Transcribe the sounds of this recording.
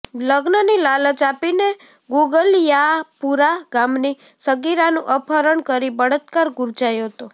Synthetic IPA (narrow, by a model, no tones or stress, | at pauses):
ləɡnənilalət͡ʃapine | ɡuɡəljapuɾaɡamni | səɡiɾanũʔəpʰəɾəɳkəɾibəɽət̪kaɾɡuɾd͡ʒajoɦt̪o